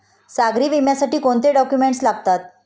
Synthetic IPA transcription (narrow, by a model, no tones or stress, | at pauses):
saɡɾiːʋimjasaʈiːkoɳt̪eɖɔkjumeɳʈslaɡt̪at̪̚